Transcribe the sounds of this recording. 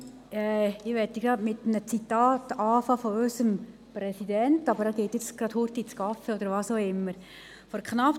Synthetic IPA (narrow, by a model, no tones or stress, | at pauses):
ɛːɪʋɛt̪ːiɡɾɑdmɪt̪mnət͡sitɑːtɑːfɑːfɔøsəm | pɾɛsidɛntɑbəɾɑɡ̥eːtjɪt͡sɡ̥ɾɑd̥̪huɾtit͡skɑfɛɔd̪əɾʋɑːsoːɪmːəɾ | fɔɾkχnɑp